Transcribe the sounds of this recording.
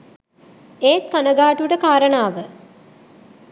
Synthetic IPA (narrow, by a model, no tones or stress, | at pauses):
eːt̪̚kanəɡaːʈuʈəkaːɾənaːʋə